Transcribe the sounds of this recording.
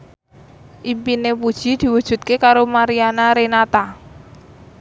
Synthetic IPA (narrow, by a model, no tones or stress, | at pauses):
ʔimpinepud̥ʒ̥i̤d̪̥i̤wud̥ʒ̥ṳt̪̚kekaɾomaɾianaɾenat̪a